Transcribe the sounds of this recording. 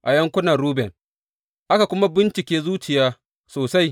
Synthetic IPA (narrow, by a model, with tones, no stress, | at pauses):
ʔa˨jɐ˦ŋkʷʊ˦na˨ɾuː˦bɛ˨n | ʔa˦ka˨kʷʊ˦ma˦bɪ˦nt͡ʃɪ˨kʲeː˦zuː˦t͡ʃɪ˨jaː˦ | soː˨sa˦j